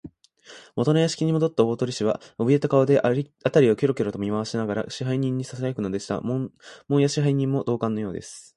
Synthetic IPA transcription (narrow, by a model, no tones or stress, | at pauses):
mo̞t̪o̞najaɕi̥kʲiɲ̟imo̞d̪o̞t̪ːao̞ːt̪o̞ɾʲiɕiβa̰ɯbʲie̞t̪akaod̪e̞ʔat̪aɾʲiokʲoɾo̞kʲoɾo̞t̪o̞mʲimaβaɕinaɡaɾa̰ɕiɦaiɲ̟ĩɲ̟ːisas̬ajokɯ̟no̞d̪e̞ɕi̥t̪a̰mmõ̞ɰ̃jaɕiɦaiɲ̟ĩmːo̞d̪o̞ːkãnːo̞jo̞ːd̪e̞̰sɨ̥